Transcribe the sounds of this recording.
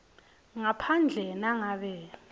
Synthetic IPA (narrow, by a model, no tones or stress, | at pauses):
ŋapʰand͡ɮʱɛnaŋaɓɛ